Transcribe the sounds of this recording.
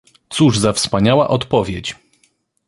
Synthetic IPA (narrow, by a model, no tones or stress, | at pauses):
t̪suʐzafspaɲawa̰ʔɔt̪pɔvʲjet͡ɕ